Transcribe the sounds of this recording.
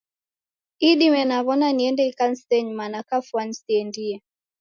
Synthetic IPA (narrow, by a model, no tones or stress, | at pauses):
iɗimɛnaβɔnaniɛndɛikan̩stɛɲmanakafwan̩siɛndiɛ